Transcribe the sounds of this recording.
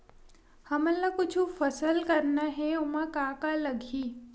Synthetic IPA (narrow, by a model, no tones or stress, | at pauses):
hɐməlːakʊt͡ʃʰufɐsəlkɐɾnaɦɛʊmãkaːkalɐɡʱiː